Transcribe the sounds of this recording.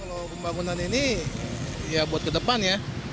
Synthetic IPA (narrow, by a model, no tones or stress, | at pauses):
kalopəmbaŋunanini | jabuat̪̚kədəpanja